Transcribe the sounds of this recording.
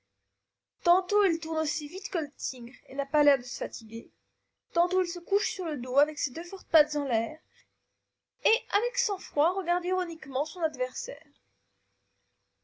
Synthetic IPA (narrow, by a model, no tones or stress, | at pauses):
t̪ɑ̃t̪oilt̪uʁnosivit̪kələt̪ʰiɡʁenapalɛʁd̪əsə̥fat̪ʰiɡʲe | t̪ɑ̃t̪oilsəkuʃsyʁləd̪oavɛksed̪øfɔʁt̪̚pat̪zɑ̃lɛːʁ | eavɛksɑ̃fχwaʁəɡaʁd̪iʁɔnikmɑ̃sɔ̃nad̪vɛʁsɛ̰ːʁ